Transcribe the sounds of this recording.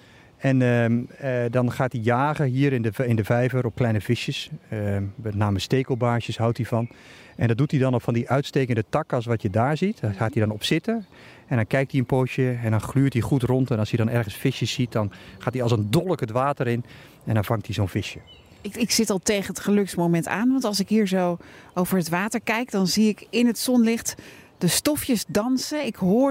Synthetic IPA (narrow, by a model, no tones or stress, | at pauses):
ɛn | dɔnχaːtdijaːɣəɦiːəɾɪndəɪndəvɛjvəɾɔfklɛjnəvɪʃjəs | mɛtnaːməsteːkəlˠbaːʃəsɦawtivɔn | ʔɛndɔt̚dutidɔnɔfɔndiʔœɥtsteːkəndətɑkɔlˠsʋɔtʰjədaːɹzitxaːtidɔnɔpsɪtə | ɛndɔnkɛjk̚tiənpoːʃjəɛndɔnχlyːtdiχutrɔntɛnɑlˠsjədɔnɛrχənsfɪʃjəsit̚dɔnχaːtdiɑlˠsəndɔlˠəkətʋaːtərɪn | ɛndɔnvɑŋktizoːnfɪʃjə | ɪksɪtɑlˠtejχənətχəlɵksmomɛnta̰ːnʋɑntɑlˠsɪkɦiːɹzowowvəɹətʋaːtəɹkɛjkdɑnziɪkɪnɦətsɔnlɪχtdəstɔfjəsdɑnsəɪkɦʊː